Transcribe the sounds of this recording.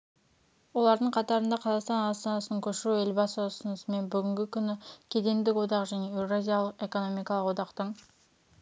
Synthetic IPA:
wo̞lˠɑɾd̪əɴqʰɑt̪ɑɾənd̪ɑqʰɑzɑqst̪ɑnɑst̪ɑnɑsənəŋkʲʰɵʃɪɾue̞lbɑsəʊsənəsəme̞nbʏɡʲɪŋɡʲɪkʲʰʏnɪkʲʰe̞d̪e̞md̪ɪkwo̞d̪ɑqʒæne̞ewɾazʲijalˠəqe̞ko̞no̞mijkɑlˠəqwo̞d̪ɑqt̪əɴ

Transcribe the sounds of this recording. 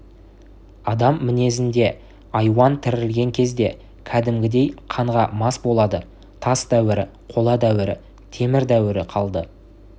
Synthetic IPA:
ɑd̪ɑmːɪne̞s̬ɪnd̪e̞ | ɑjwɑnt̪ʰɪɾɪlɡʲe̞ŋkʲʰe̞zd̪e̞ | kʲʰæd̪ɪmɡʲɪd̪e̞jqʰɑɴʁɑmɑsbo̞lˠɑd̪ə | t̪ʰɑsd̪æwɪɾɪ̰ | qʰo̞lˠɑd̪æwɪɾɪ̰ | t̪ʰe̞mɪɾd̪æwɪɾɪqʰɑlˠd̪ə

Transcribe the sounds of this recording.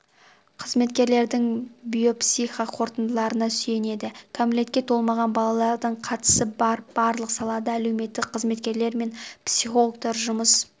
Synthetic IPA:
qʰəzme̞t̪kʲe̞ɾle̞ɾd̪ɪŋbijo̞psiχaqʰo̞ɾt̪ənd̪əlˠɑɾənɑsʏje̞ne̞d̪ɪkʰamle̞t̪kʲe̞t̪ʰo̞lˠmɑʁɑnbɑlˠɑlˠɑɾd̪əɴqʰɑt̪ə̥səb̥ɑɾlˠəqsɑlˠɑd̪ɑælewme̞t̪ːɪkqʰəzme̞t̪kʲe̞ɾle̞ɾme̞npsiχo̞lˠok̚t̪ɑɾʒʊməs

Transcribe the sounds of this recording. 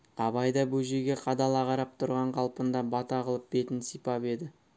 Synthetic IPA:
ɑbɑjd̪ɑbɵʒeɡʲe̞qʰɑd̪ɑlˠɑʁɑɾɑp̚t̪ʰʊɾʁɑɴqʰɑlˠpənd̪ɑbɑt̪ɑʁəlˠəp̚be̞t̪ɪnsijpɑpe̞d̪ɪ

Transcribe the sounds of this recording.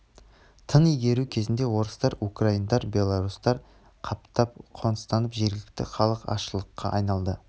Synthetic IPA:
t̪ʰənijɡʲe̞ɾukʲʰe̞zɪnd̪e̞wo̞ɾəst̪ɑɾukraijnd̪ɑɾbʲe̞lˠaɾust̪ɑɾ | qʰɑp̚t̪ɑp̚qʰo̞nəst̪ɑnəpʒe̞ɾɡʲɪlɪk̚t̪ɪ̰χɑlˠəqɑ̰ʃəlˠəqːɑʔɑjnɑlˠd̪ə

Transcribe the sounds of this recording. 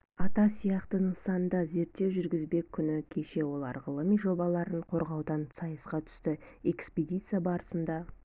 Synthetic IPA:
ɑt̪ɑsijɑqt̪ənəɴsɑnənd̪ɑze̞ɾt̪ːe̞wʒʏɾɡʲɪzbe̞kʲʰːʏnɪkʲʰe̞ʃe̞wo̞lˠɑɾʁəlˠəmijʒo̞bɑlˠɑɾəɴqʰo̞ɾʁɑwd̪ɑnsɑjəsqɑt̪ʰʏ̥st̪ɪe̞kspʲedʲijt̪sɨjabɑɾəsənd̪ɑ

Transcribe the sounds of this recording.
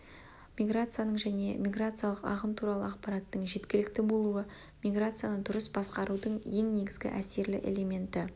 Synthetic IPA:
mʲiɡɾat̪sɨjanəɴʒæne̞mʲiɡɾat̪sɨjalˠəqɑ̰ʁəmt̪ʰuɾɑlˠə̰ɑqpɑɾɑt̪ːəɴʒe̞t̪kʲɪlɪk̚t̪ɪbo̞lˠuə | mʲijɡɾat̪sɨjanəd̪ʊɾəsbɑsqɑɾud̪əɴje̞ŋne̞ɡʲɪzɡʲɪ̰ʔæse̞ɾlɪ̰ʔe̞̰le̞me̞nt̪ɪ

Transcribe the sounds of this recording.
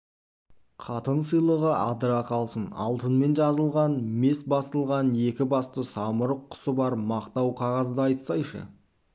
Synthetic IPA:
qʰɑt̪ənsəjlˠəʁəʔɑ̰d̪əɾɑqʰɑlˠsənɑ̰lˠt̪ənme̞nʒɑzəlˠʁɑnme̞sbɑst̪əlˠʁɑne̞kʲɪbɑst̪əsɑməɾəqʰːʊ̥səbɑɾmɑqt̪ɑwqʰɑʁɑzd̪əɑjt̪sɑjʃə̰

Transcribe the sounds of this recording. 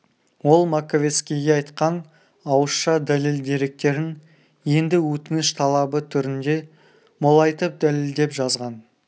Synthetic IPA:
wo̞lˠmakovʲe̞t̪skʲijɡʲeɑjt̪qɑn | ɑwəsʃɑd̪æleld̪iɾe̞k̚t̪e̞ɾɪn | je̞nd̪ɪwɵt̪ɪnɪʃt̪ʰɑlˠɑbət̪ʰʏɾɪnd̪e̞ | molˠɑjt̪əp̚d̪æleld̪e̞pʒɑzʁɑn

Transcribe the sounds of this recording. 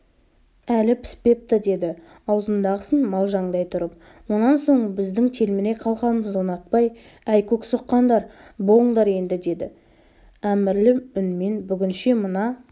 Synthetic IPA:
ælɪpʰɪ̥spe̞p̚t̪əd̪e̞d̪ɪ | ɑwzənd̪ɑʁəsənmɑlˠʒɑɴd̪ɑjt̪ʰʊɾəp̚ | wʊnɑnso̞ɴbɪzd̪ɪŋt̪ʰe̞lmɪne̞qʰɑlˠʁɑnməzonɑt̪̚pɑj | æjkʲʰɵksəqːɑnd̪ɑɾbo̞lˠəɴd̪ɑɾe̞nd̪ɪd̪e̞d̪ɪ | æmɪɾlɪʏnme̞nbʏɡʲɪnʃemənɑ

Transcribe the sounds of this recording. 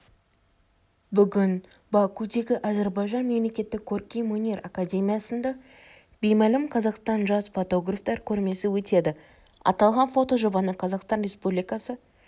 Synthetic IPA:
bʏɡʲɪn | bɑkud̪e̞ɡʲɪʔɑzeɾbɑjʒɑnme̞mle̞kʲe̞t̪ːɪkʲʰːorkʲijmonʲerakadʲe̞mʲijɑsənd̪ɑ | b̥e̞jmælɪmqʰɑzɑqst̪ɑnʒɑsfot̪o̞ɡraft̪ɑɾkʲʰɵɾme̞sɪwɵt̪e̞d̪ɪ | ɑ̰t̪ɑlˠʁɑnfo̞t̪o̞ʒo̞bɑnəqʰɑzɑqst̪ɑnrʲe̞spublijkɑsə

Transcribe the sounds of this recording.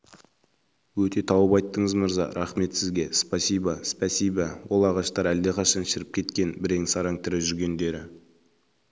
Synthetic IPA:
wɵt̪e̞t̪ʰɑwəpɑjt̪ːəɴəzməɾzɑ̰ɾʔɑχme̞t̪sɪzɡʲe̞spasijbɑspɑsijbɑwo̞lˠɑʁɑʃt̪ɑɾæld̪e̞qʰɑʃɑnʃɪɾɪp̚kʲʰe̞t̪kʲe̞nbɪɾeŋsɑɾɑŋt̪ʰɪɾɪʒʏɾɡʲe̞nd̪e̞ɾɪ

